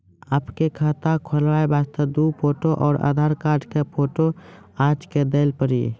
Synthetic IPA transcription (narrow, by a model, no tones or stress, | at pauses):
aːpkekʰaːt̪akʰəlwaːebaːst̪əd̪upʰoːʈoʔɔːɾʔa̰d̪ʱaːɾkaːɾʈkepʰoːʈoaːd͡ʒked̪eːlpəɾḭː